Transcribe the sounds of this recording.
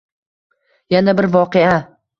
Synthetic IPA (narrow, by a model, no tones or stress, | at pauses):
janabɪɾvɒqea